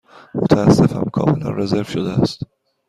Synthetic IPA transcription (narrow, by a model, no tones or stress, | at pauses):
mot̪ʰææsːefæ̰mkʰɒ̰ːme̞læ̰nreze̞ɾvʃod̪eæst̪